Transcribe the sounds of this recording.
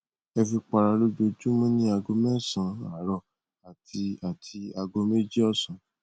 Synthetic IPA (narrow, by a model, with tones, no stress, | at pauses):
ɛ˧fi˧k͡pa˧ɾa˧lo˦do˧d͡ʒu˦mɔ̃˦nĩ˦a˧ɡo˧mɛ̃˦˨sã˨˧a˨ɾɔ˧˨ | a˨tʰi˧a˨tʰi˧a˧ɡo˧me˦d͡ʒi˦ɔ˦˨sã˨˦